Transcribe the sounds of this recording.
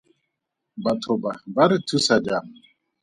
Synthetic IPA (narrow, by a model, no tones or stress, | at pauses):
batʰɔbabaɾitʰusad͡ʒam